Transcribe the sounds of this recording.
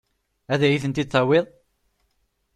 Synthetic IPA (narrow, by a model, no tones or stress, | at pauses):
æðæjiθənt̪id̪θæweðˤ